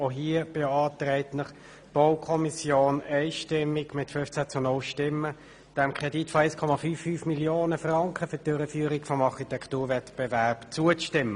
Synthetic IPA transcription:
oɦiəb̥eɑːtrɛɪtnəχ | b̥oʊkʰɔmisjoːnɛɪʃtɪmːiɡmɪtfʏnft͡sæːt͡sʊnʊlʃtɪmːə | d̥ɛmkʰʁ̥ɛditfɔɛɪskʰɔmɑfyːfːyːfmiljoːnəfrɑŋkʰəfʏtd̥øɾəfyːɾikfɔmɑχitʰɛktuːʁvɛtb̥ɛvæʁpt͡suət͡stɪmːə

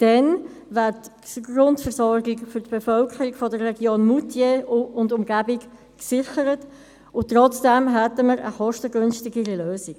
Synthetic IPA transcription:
d̥ɛn | væɾtɡrʊntfəɾsɔɾɡɪɡfʏɾtb̥efœlkʰəɾiɡfɔdərːɛɡjoːnmutʰjeʊndʊmɡæbɪk | ksɪχəɾət | ʊtʁɔt͡sd̥ɛmɦɛtəməɾə̰χɔʃtəɡʏnstɪɡəɾiløːsiɡ

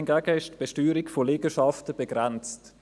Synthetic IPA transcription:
nɡæːɡəɪʃtb̥eʃtyːɾɪɡfoliːɡ̥əʃɑftəb̥eɡʁɛnt͡st

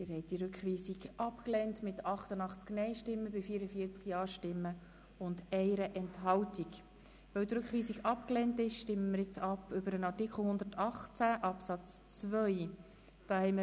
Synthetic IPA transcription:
ɪɾhɛɪt̚d̥iɾʉkχʋiːsiɡʔɑpklɛntmɪtɑχtənɑχt͡sknɛɪʃtɪmːəbɪfiːɾəfiːəɾt͡skjɑːʃtɪmːə | ʊndɛɪɾəʔɛnthɑwtʰik | ʋœwdɾʉkχʋiːsiɡɑpklɛntɪʃʃtɪmːəməɾjɪt͡sɑpʏbəɾənɑtikχl̩ˠhʊnd̪ətʰɑχt͡sæʔɑpsɑt͡st͡sʋœj | d̥ɑːhɛɪmə

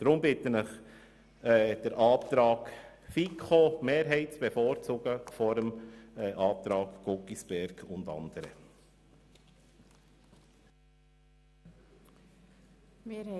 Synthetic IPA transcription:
d̪̥ɾʊmbɪt̪ənəχ | ɛːd̥əɾʔɑːp̚t̪ɾɑːk | fikχomeːɾɦɛɪt̚t͡sb̥efoːɾt͡suɡəfɔɾəmʔɑːp̚t̪ɾɑːkɡ̥okisb̥ɛɾɡ̥ʊndɑ̰nd̥əɾə

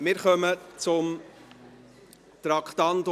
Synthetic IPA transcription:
mɪɾχœmət͡sʊm | t̪ɾɑkχt̪ɑnd̪

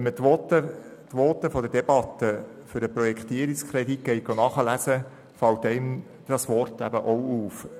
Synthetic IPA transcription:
mətʋɔtət̪ʋoːt̪əfɔd̪əd̥eb̥ɑt̪ːə | føɾəpɾɔjɛkχt̪iəɾikskʰɾed̪ikɡɛɪɡ̥onɑχəlæsə | fɑwt̚dɛn | d̥ɑsʋɔrtæbəʔowuːf

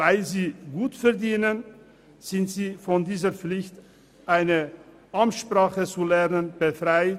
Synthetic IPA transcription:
vaɪlziːɡuːtfɛɐdiːnən | z̥ɪntz̥iːfɔndiːzəp͡flɪçt | ʔaɪnə | ʔamʃpʁ̥aːχət͡sulɛʁnənb̥əfʁ̥aɪ

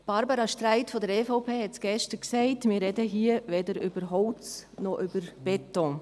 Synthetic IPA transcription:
b̥ɑɾbəɾɑʃtɾaɪtfɔdəɾɛːfɔʊpʰeːhɛtsɡ̥ɛʃtəɾksɛɪtmɪːrːɛdəɦiːəʋɛdəɾʏb̥əɾɦɔlt͡snɔʔʏb̥əɾb̥ɛtɔ̃

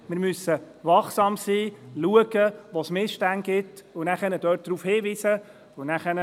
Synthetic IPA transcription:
mɪɾmysə | vɑχsɑːmsiːluəɡ̥əʋosmɪsʃtænɡ̥ɪtʊnæχɛnəd̥œːt̚d̥ɾuːfhiːviːsə | ʊnæχɛnə

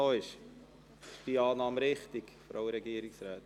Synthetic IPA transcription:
oːɪʃ | b̥iɑːnɑːmɾɪχtɪkfɾo̰ʊɾɛɡiːəɾɪksɾaːt

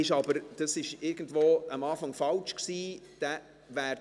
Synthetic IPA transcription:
ɪʃɑbəɾd̥ɑsɪʃɪɾɡən̩dvoːəmɑːfɑŋfɑlt͡ʃksiːd̪̥ɛ | ʋæːɾ

